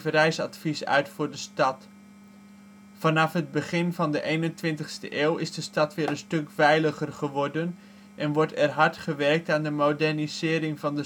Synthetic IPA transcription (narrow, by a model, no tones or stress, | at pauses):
vərɛjsɑ̰tfisœ̰ɥtfʊːɹdəstɑt | fɑnɑfɦəd̚bəχɪnvɑndəʔejnəntʋɪntəχstəʔeːlˠɪzdəstɑtʋɪːɾənstɵkfɛjləχərχəʋɔɹdən | ʔɛnʋɔɹtɛrɦɑɹtχəʋɛrk̚taːndəmowdɛɹnizɪːɾɪŋvɑndə